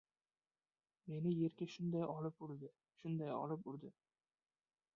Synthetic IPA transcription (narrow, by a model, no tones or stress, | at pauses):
me̞nɪje̞ɾkʲaʃʊnd̪ajʔɒlɪpʊɾd̪ɪ | ʃʊnd̪ajɒ̰lˠɪpʊɾd̪ɪ